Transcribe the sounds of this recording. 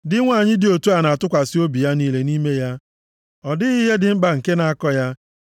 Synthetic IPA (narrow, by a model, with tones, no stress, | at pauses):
dɪ˦ŋʷa˦˨ɲɪ˦dɪ˨o˨tu˦a˨na˨a˨tʊ˦kʷa˨sɪ˦o˦bi˨ja˦niː˦le˨ni˦me˦ja˦ | ɔ˨dɪ˦i˦ɦe˦dɪ˨ŋ͡m̩˦ɡ͡ba˨ŋ̩˨ke˦na˨a˦kɔ˦ja˦